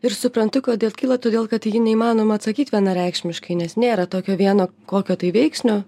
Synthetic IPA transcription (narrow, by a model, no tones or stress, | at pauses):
ɪɾsʊpɾɐnt̪ʊkoːd̪ʲeːlˠkʲiːlˠɐt̪oːd̪ʲeːlˠkɐt̪jinʲɛiːmɑːnoːmɐɐt̪sɐkʲiːt̪ʋʲiɛnɐɾʲɛɪkʃʲmʲɪʃkɐɪnʲɛsnʲeːɾɐt̪oːkʲoːʋʲiɛnoːkoːkʲoːt̪ɐɪʋʲɛɪksʲnʲoː